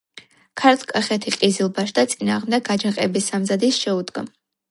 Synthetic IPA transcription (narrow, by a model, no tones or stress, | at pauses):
kʰaɾt̪ʰkʼaχɛt̪ʰiqʼizilˠbaʃd̪at̪sʼinaːʁmd̪ɛɡ̚ɡad͡ʒɛqʼɛbisamzad̪isʃɛud̪ɡa